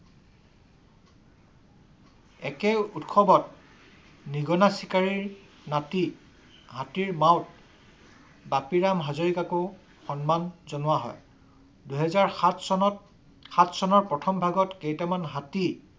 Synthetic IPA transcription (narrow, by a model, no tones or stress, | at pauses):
ɛkɛutxʰɔbɔt̚ | niɡɔnasikaɹiɹ | nati | ɦatiɹmawt | bapiɹamɦazoɹikako | xɔnmanzɔnʊwaɦɔ̰j | duɦɛzaɹ | xatʰsɔnɔɹpɹɔtʰɔmbʱaɡɔtkejtamanɦati